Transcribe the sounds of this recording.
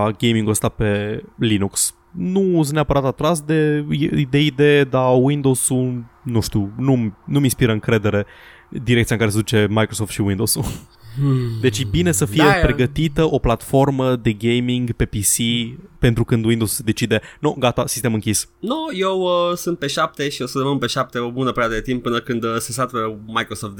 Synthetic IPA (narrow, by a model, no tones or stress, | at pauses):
ɡe̞jmĩŋɡuəst̪ape̞linuks | nusneapəɾat̪at̪ɾas̬d̪e̞id̪e̞id̪e̞jed̪awind̪o̞sunuʃt̪unumnuminspiɾəɨŋkɾe̞d̪e̞ɾe̞ | d̪iɾekt̪iaɨŋkaɾesed̪ut͡ʃe̞majkɾoso̞ft̪ʃiwind̪owsu | d̪e̞t͡ʃjebine̞səfijepɾe̞ɡət̪it̪əʔo̞plat̪fo̞rməd̪e̞ɡejmiŋɡpe̞pisipe̞nt̪ɾukɨnd̪wind̪osu̥sed̪e̞t͡ʃid̪e̞noɡat̪asist̪e̞mɨŋkʲisnoje̞wəsɨnt̪̚pe̞ʃap̚t̪e̞ʃiosəd̪eməmpe̞ʃap̚t̪e̞o̞bunəpeɾejad̪əd̪et̪imp̚ːɨnəkɨnd̪ses̬at̪ɾemajkɾosoft̪̚